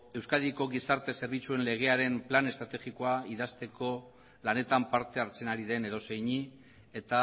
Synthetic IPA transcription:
e̞wskaðiko̞ɣisaɾt̪e̞se̞ɾβ̞it͡sue̞nle̞ɣ̞e̞aɾe̞mplane̞st̪ɾat̪eɣiko̞aiðast̪e̞ko̞ | lane̞t̪ampaɾt̪eaɾt͡se̞naɾiðe̞ne̞ɾo̞se̞jɲi | e̞t̪a

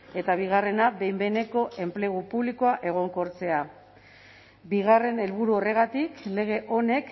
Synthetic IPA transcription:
e̞t̪aβ̞iɣ̞are̞nabe̞jmbe̞ne̞ko̞ʔe̞mple̞ɣupuβliko̞aʔe̞ɣ̞o̞ŋko̞ɾt͡se̞a | biɣare̞ne̞lβuɾuo̞re̞ɣ̞at̪ikle̞ɣ̞e̞ʔo̞ne̞k

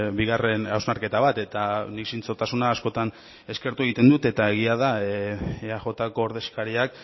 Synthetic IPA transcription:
biɣ̞are̞nawznaɾke̞t̪aβat̪e̞t̪aniksint͡so̞t̪asunaːsko̞t̪an | e̞ske̞ɾt̪ue̞ɣ̞it̪e̞nd̪ut̪e̞t̪ae̞ɣ̞iaða | eaʝo̞t̪ako̞ːɾðe̞skaɾiak

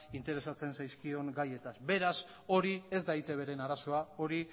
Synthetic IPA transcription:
int̪e̞ɾe̞sat͡se̞nsajskio̞ŋɡaje̞t̪asbe̞ɾas | o̞ɾie̞zd̪ajt̪e̞β̞e̞ɾe̞naɾaso̞ao̞ɾi

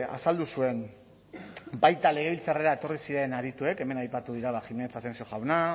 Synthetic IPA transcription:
a̰sald̪usue̞n | bajt̪ale̞ɣ̞e̞βilt͡sareɾae̞t̪o̞risiɾe̞naɾit̪ue̞ke̞me̞najpat̪uðiɾaβaximenet͡sasensio̞ʝawna

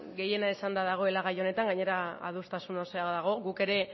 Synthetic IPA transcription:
ɣe̞je̞naesand̪aðaɣ̞o̞e̞laɣ̞ajo̞ne̞t̪aŋɡaɲe̞ɾaa̰ð̞ust̪asunoseaoðaɣ̞o̞ɣuke̞ɾe̞

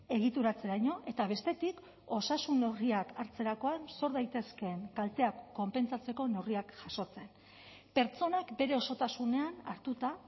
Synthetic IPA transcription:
e̞ɣ̞it̪uɾat͡se̞ɾajɲo̞ʔe̞t̪aβ̞e̞st̪e̞t̪ik | o̞sasunːe̞wriakaɾt͡se̞ɾako̞anso̞ɾðajt̪e̞ske̞ŋkalt̪e̞akːo̞mpe̞nt͡sat͡se̞ko̞ne̞wriakʝaso̞t͡se̞n | pe̞ɾt͡so̞nakbe̞ɾe̞o̞so̞t̪asune̞ana̰ɾt̪ut̪a

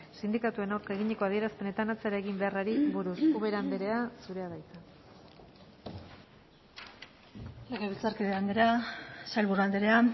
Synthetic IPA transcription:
sind̪ikat̪ue̞naɾke̞ɣiɲe̞ko̞að̞ie̞ɾaspe̞ne̞t̪anat͡seɾaeɣimbe̞araɾiβuɾusuβe̞ɾand̪eɾe̞asuɾe̞aðajt͡sa | leɣeβilt͡saɾkeðeand̪eɾasajlβurald̪eɾea

